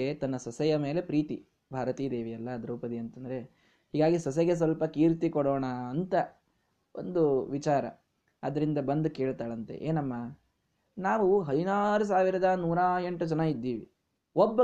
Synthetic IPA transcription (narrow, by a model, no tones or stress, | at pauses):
et̪ɐnːɐsɐsɛjɐme̞ːle̞pɾiːt̪i | bʱaːɾɐt̪iːd̪eːʋiɐlːɐd̪ɐɾuːpɐd̪iɐnt̪ɐnd̪ɐɾe̞ | hiːɡaːɡisɐs̬ɛɡe̞s̬ʋɐlpɐkiːɾt̪ikɔɽoːɳɐːnt̪ɐ | ʔo̰nd̪uʋit͡ʃaːɾɐ̰ | ɐd̪ɐɾind̪ɐbɐnd̪uke̞ːɭt̪aːɭɐnt̪e̞̰ʔeːnɐmːa | naːʋuɦɐd̪inaːɾus̬aːʋiɾɐd̪ɐnuːɾaːje̞ɳʈud͡ʒɐnɐid̪ːiːʋi | obːɐ